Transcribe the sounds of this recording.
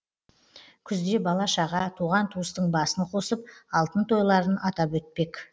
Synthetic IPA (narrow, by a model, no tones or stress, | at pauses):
kʲʰʏzd̪e̞bɑlˠɑʃɑʁɑt̪ʰuʁɑnt̪ʰuəst̪əɴbɑsəɴqʰo̞səp̚ɑlˠt̪ənt̪ʰo̞jlˠɑɾənɑt̪ɑpwɵt̪̚pe̞k